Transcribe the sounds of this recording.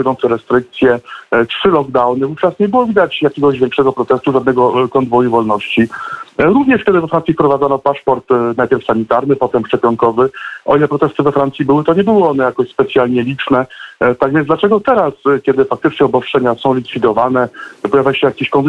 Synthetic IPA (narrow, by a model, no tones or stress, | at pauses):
d̪ɔnt̪sɛɾɛst̪ɾɘk̚t̪sʲjɛtʂɘlɔɡd̪awnɘvuft͡ʂasɲɛbɘwɔvʲid̪at͡ɕjakʲɛɡɔʑvʲjɛŋkʂɛɡɔpɾɔt̪ɛst̪uʐad̪nɛɡɔkɔnd̪vɔjuvɔlnɔɕt͡ɕiɾuvɲɛʂkʲɛd̪ɘvɛfɾansʲifpɾɔvad̪ɔnɔpaʂpɔɾt̪najpʲjɛɾfsaɲit̪aɾnɘpɔt̪ɛmʂt͡ʂɛpʲjɔŋkɔvɘʔɔ̰ilɛpɾɔt̪ɛst̪ɘvɛfɾant̪sʲibɘwɘt̪ɔɲɛbɘwɨɔnɛjakɔɕspɛt̪sʲjalɲɛlʲit͡ʂnɛt̪aɡvʲjɛndlat͡ʂɛɡɔt̪ɛɾaskʲjɛd̪ɘfak̚t̪ɘt͡ʂɲɛɔbɔsʂɛɲasɔ̃w̃lʲikfʲid̪ɔvanɛpɔjavʲjaɕɛjakʲeɕkɔn